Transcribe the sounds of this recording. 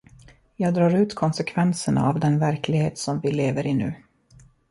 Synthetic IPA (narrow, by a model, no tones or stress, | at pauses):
jɑːɡd̪ɾɑːɾʉ̟ːt̪kʰɔnsɛkʰvɛnsəɳa̰avd̪ɛnvæɾkʰlɪɡheːt̪sɔmvɪleːvəɾɪnʉ̟̰ː